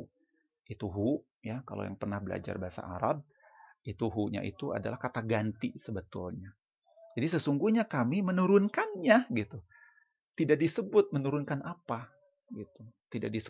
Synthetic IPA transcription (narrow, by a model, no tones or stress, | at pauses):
it̪uɦuʔ | jaka̰lo̰ja̰ŋpərnahbəla̰d͡ʒa̰rbaasa̰ʔa̰ɾab̚ | it̪uɦuʔɲa̰ʔḭt̪ua̰da̰lahkat̪aɡant̪isəbət̪ʊ̰lɲa | d͡ʒadisəsuŋɡuhɲakamimənuɾʊnkanɲaɡit̪u | t̪idaʔdisəbʊt̪̚mənuɾʊnkanʔapa | ɡit̪ut̪ida̰ʔ̚disə